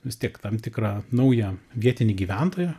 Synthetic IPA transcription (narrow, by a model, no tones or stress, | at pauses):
ʋʲɪst̪ʲiɛkt̪ɐmt̪ʲɪkɾɑːnɐʊjɛʋʲiɛt̪ʲɪnʲɪɡʲiːʋʲænt̪oːjɛ